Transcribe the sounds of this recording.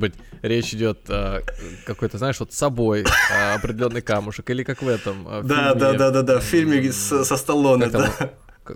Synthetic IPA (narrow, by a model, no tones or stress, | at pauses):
bɨtʲɾʲet͡ɕɪdʲo̞t̪əkɐko̞jt̪əznaɪʂvo̞t̪sɐbo̞jəɐpɾʲɪdʲɪlʲo̞nːɨjkamʊʂəkilʲɪkakvɛt̪əm̰d̪ad̪aad̪ad̪affʲilʲmʲɪssɐst̪ɐlˠonːaəkt̪d̪a